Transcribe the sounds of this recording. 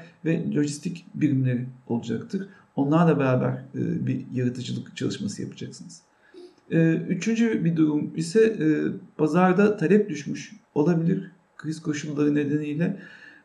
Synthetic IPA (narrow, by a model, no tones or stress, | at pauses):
vɛlʲo̞ʒist̪ʰicbiɾimlʲe̞ɾio̞lˠud͡ʒakt̪ʰɯɾ̥ | o̞nlˠaɾlˠabeɾaːbæ̰ɾɯ̰ːbijaɾɯt̪ʰɯd͡ʒɯlˠɯkt͡ʃʰa̰lˠɯʃmasɯja̰pʰɯ̥d͡ʒaksɯnɯz̥ | ɯːyt͡ʃʰynd͡ʒybid̪uɾumisɛːb̥azaɾd̪at̪ʰaɾɛp̚d̪yʃmyʃo̞lˠabilʲiɾ | kʰɯjɯzkʰo̞ʃulˠːaɾɯne̞d̪e̞nijlʲɛ